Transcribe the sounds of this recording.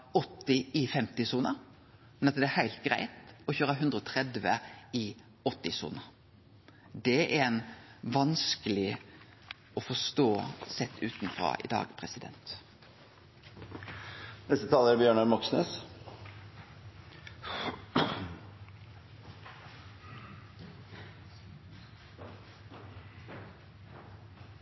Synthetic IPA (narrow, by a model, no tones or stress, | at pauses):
ɔt̪ːɪɪfɛmt̪ɪsuːnəɾ | mɛnɑt̪d̪ɛæɾhæɪlt̪̚ɡɾæ̰ɪt̪ɔçøːɾəɦʉnd̪ɾəɔt̪ʰɾɛd̪ʋəɪ | ɔt̪ːɪsṵːnəɾ | d̪ɛɛɾɛnʋɑnskəlɪ | ɔfɔʂt̪oːsɛt̪ʰːʉːt̪nfɾɑ̰ʔɪ̰d̪ɑ̰ːɡpʰɾɛsɪd̪ɛ̰nt̪ | nɛst̪ət̪ʰɑːləɾæɾbjøːɳɑɾmɔksnø̰ːs